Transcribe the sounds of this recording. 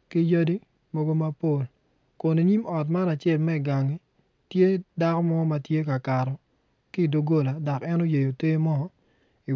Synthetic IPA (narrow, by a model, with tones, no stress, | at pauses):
ki˦ja˦di˦ | mo˦ɡo˦ma˦po˨l | kʊ˨ni˨ɲi˦mɔ˨t̬ma˦na˨t͡ʃe˦˨lmɛ˦i˨ɡa˨ŋi˦ | tje˦da˦kɔ˦mɔ˦ma˨tje˦ka˨ka˨ɾɔ˨ | kɪ˦˨do˨ɡo˦la˨da˨kɛ˦no˦je˨jo˨te˦mɔ˦ | i˨